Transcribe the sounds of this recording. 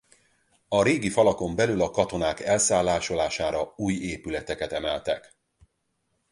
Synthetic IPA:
ɒɾeːɡifɒlɒko̞mbɛlylɒkɒt̪o̞naːkɛlsaːlːaːʃo̞laːʃaːɾɒuːjeːpylɛt̪ɛkɛt̪ɛmɛlt̪ɛk

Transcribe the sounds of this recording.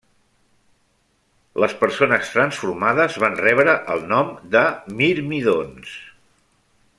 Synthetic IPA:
ləspəɾsonəst̪ɾənsfuɾmaðəzβanrɛβɾəʔəlˠnɔmd̪əmiɾmiðons

